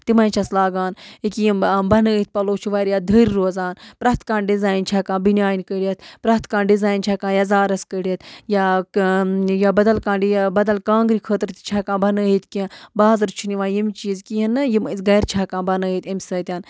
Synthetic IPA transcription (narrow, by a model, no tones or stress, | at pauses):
t̪imɐːnt͡ʃʰɐslaːɡaːnikimbɐnəːɦit̪̚pɐloːt͡ʃʰuʋaːɾjad̪ʱəːɾɾoːzaːnpɾɐt̪kãːɳɖɖizaːjint͡ʃʰaːkãːbinʲjaːjnkəɽiɐt̪̚pɾɐɦt̪kaːɳɖizaːjnt͡ʃʰaːkãːjazaːɾɐskəɽiɐt̪ja | jabɐd̪ɐlkãːɳɖibɐd̪ɐlkãːŋɡɾikʰəːt̪ɾt̪t͡ʃʰaːkãːbɐnəːit̪kĩbaːzɐɾt͡ʃʰuniʋaːjimt͡ʃiːzkiɐnːɨjimsɡɐjɾt͡ʃʰaːkãːnbɐnəːit̪ɐmʲsəːt̪ʲaːn